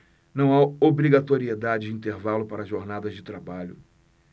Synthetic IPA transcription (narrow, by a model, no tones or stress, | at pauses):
nɐ̃w̃aobɾiɡat̪oɾied̪ad͡ʒɪd͡ʒɪĩnt̪eɾvalʊpaɾɐzʒoɾnad̪ɐzd͡ʒɪt̪ɾabaʎʊ